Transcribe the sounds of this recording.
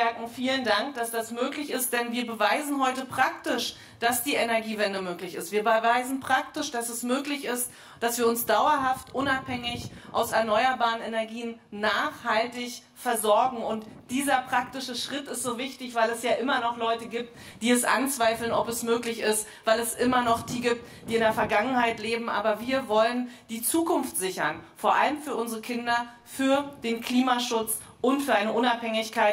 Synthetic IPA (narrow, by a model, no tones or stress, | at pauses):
ɛɐkŋ̩fiːləndaŋk̚d̥asd̥asmøːklɪçɪst̚d̥ɛnviːɐbəvaɪzn̩ɦɔʏtəpʁ̥ak̚tɪʃ | d̥asd̥iːʔɛnɛɐɡiːvɛndəmøːklɪçɪstv̥iːɐbəvaɪzn̩pʁ̥ak̚tɪʃd̥asɛsmøːklɪçɪst | d̥asv̥iːɐʊnsd̥aʊɐɦaftʔʊnaphɛŋɪçʔa̰ʊsɛɐnɔʏɐbaːʁənɛnɛɐɡiːənːaːχhaltɪç | fɛɐzɔɐɡŋ̩ʊntd̥iːzɐpʁ̥ak̚tɪʃəʃʁ̥ɪtɪstz̥oːvɪçtɪçv̥aɪlɛsjaːʔɪmɐnɔχlɔʏtəɡiːp̚td̥iːɛsʔa̰nt͡sv̥aɪfl̩nɔpɛsmøːklɪçɪst | vaɪlɛsʔɪmɐnɔχd̥iːɡiːp̚t | d̥iːɪndeːɐfɛɐɡaŋənhaɪtleːbm̩ʔa̰ːbɐviːɐvɔlənd̥iːt͡suːkʰʊnftz̥ɪçɐ̰nfoːɐʔa̰ləmfyːɐʔʊnzəʁəkʰɪndɐ | fyːɐd̥eːnkʰliːmaʃʊt͡s | ʔʊntfyːɐaɪnəʔʊnaphɛŋɪçkʰaɪt